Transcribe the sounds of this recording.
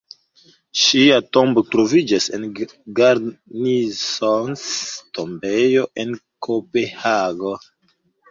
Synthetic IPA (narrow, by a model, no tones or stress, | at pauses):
ʃiatombo̞tɾo̞vid͡ʒasen | ɡaɾnisonstombe̞joʔe̞nkʰope̞haɡo